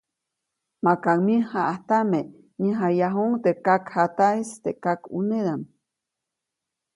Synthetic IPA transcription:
makaŋmĩhaʔaht̪ame | ɲiɦajaɦoŋt̪ekakhat̪ajst̪ekakṵned̪am

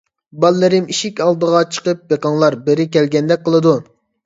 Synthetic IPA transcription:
bɑlːɨɾɪmiʃikʲɑlˠd̪əʁɑt͡ʃʰə̥qəp̚beqɑŋlˠɑɾbɪɾɪkʲɛlɡʲɛnd̪ɛk̚ʲqʰəlˠɨd̪u

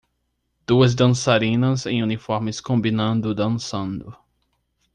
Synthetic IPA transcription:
d̪̥uɐzd̪ɐ̃nsaɾĩnɐzẽj̃unifɔɾmɪskõmbinɐ̃nd̪ʊd̪ɐ̃nsɐ̃nd̪ʊ

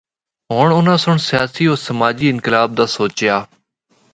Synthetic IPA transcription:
ɦoːɳʊnãːsʊɳsɪjaːsiːoːɾsəmaːd͡ʒiːɪnkɪlaːb̚d̪aːsoːt͡ʃɪjaː

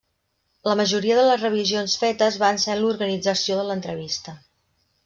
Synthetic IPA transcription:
ləməʒuɾiəðələzrəβ̞izionsfet̪əzβansɛnluɾɣənid͡zəsioðələnt̪ɾəβist̪ə

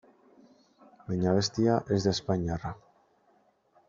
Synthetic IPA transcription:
bajɲaβe̞st̪iaʔe̞zd̪aespaɲara

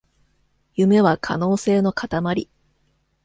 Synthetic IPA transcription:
jɯ̟me̞β̞akʰa̰no̞ːse̞ːno̞kat̪amaɾʲi

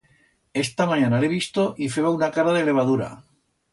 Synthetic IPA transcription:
e̞st̪amãɲãnaleβ̞ist̪oʔifeβaunakaɾaðele̞β̞að̞uɾa̰

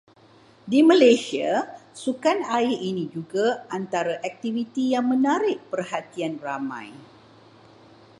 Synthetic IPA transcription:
dimãlesiasukanaɪinĩd͡ʒuɡaant̪aɾaʔɛk̚t̪ivit̪ijaŋmə̃naɾɪʔpərhat̪ianramã̰j

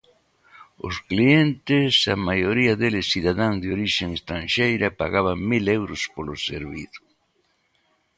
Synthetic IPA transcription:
ʊ̰sklient̪ɪsamajoɾiɐðelɪsiðaðaŋzd̪eoɾiʃeŋest̪ɾanʃejɾɐpaɣaβaŋmilewɾʊspolosḛɾβiθʊ̥

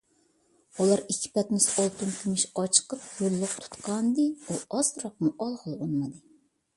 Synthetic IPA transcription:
ulˠɑɾikʲʰːi̥pɛt̪mɪsɑlˠt̪unkʲʰimɪʃɑt͡ʃʰə̥qəp̚jølːʊq̚t̪ʰu̥t̪qʰɑnd̪ɨuɑsɾɑq̚muʔɑlˠʁəlˠonmɨd̪ɨ

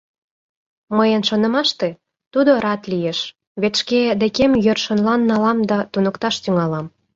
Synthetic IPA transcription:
məjənʃonə̆mɑʃt̪e | t̪ud̪oɾɑt̪lijeʃ | βet̪ʃked̪ekemjørʃonlɑnːɑlɑmd̪ɑt̪unəkt̪ɑʃt̪yŋɑlɑm

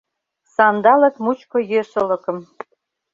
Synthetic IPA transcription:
sɑnd̪ɑlɤ̆kmut͡ɕkŏjeʃə̆lɤ̆kə̆m

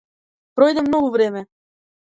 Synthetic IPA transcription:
pɾojd̪ɛmnoɡuvɾemɛ

